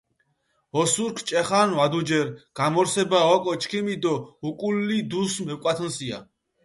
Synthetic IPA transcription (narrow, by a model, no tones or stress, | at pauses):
ɔsuɾkʰt͡ʃʼɛχanvad̪ud͡ʒɛɾɡ̥amɔɾsɛbaɔkʼɔt͡ʃʰkʰimid̪ɔukʼulːid̪usmɛwkʼat̪ʰɔnsia̰